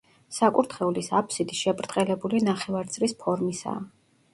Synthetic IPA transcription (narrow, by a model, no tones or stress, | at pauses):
sakʼuɾt̪ʰχɛulisapʰsid̪iʃɛbɾt̪ʼqʼɛlɛbulinaχɛvaɾt̪sʼlispʰɔɾmisa̰ː